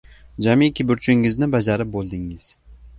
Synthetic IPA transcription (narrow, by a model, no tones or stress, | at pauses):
d͡ʒamikʲʰɪbʊɾt͡ʃʰɪŋɪznɪbad͡ʒaɾɪp̚bolˠd̪ɪŋɪz̥